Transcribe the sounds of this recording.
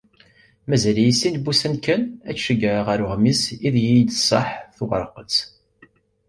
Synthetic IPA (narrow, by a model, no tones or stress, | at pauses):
mæzælijisːinbusənkənæʃəɡəʁæɾʊʁmisiðjid̪sˤɑ̰ħθuʁəɾˤqət͡s